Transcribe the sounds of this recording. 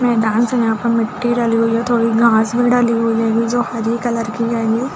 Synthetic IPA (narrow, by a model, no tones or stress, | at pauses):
mɛːd̪aːnsɐɦãpəɳmɪʈːiɖaːliɦʊiɦɛt̪ʰoːɽiɡʱãːsbʱiɖaːliɦuid͡ʒɛːɡid͡ʒoːhɐɾikɐləɾkid͡ʒaːeɡiɛ